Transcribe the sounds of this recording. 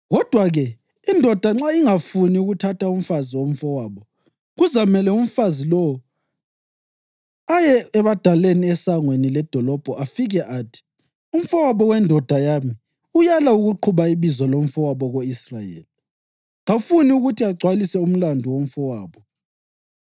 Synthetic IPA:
ɣɔd̥ʱwaɣɛ | indʱɔd̥ʱaŋ͡ǁaiŋafuniuɣutʰatʰaum̩faziwom̩fɔwaːβɔ | ɣuzamɛlɛum̩fazilɔwɔ | ajɛːβad̥ʱaleniɛsaŋwenilɛd̥ʱɔlɔb̥ʱɔʔafiɣɛʔaːtʰi̥ | um̩fɔwaβɔwɛndʱɔd̥ʱajami | ujalauɣuǃʰuβaiβizɔlom̩fɔwaβɔɣoisra̰jḛːli | ŋafuniuɣutʰiaɡ͡ǀʱwalisɛum̩landʱɔwom̩fɔwaːβɔ

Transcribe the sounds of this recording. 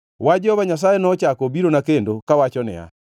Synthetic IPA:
wad͡ʒɛhɔβaɲas̬ajenɔːt͡ʃakobiɾonakendokawat͡ʃɔnɛ̰a̰

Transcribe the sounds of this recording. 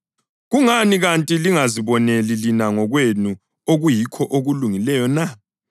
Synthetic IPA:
ɣuŋaniɣantʼiliŋaziβɔnelilinaŋɔɣwenu | oɣujikʰɔʔoɣuluŋilɛjɔna

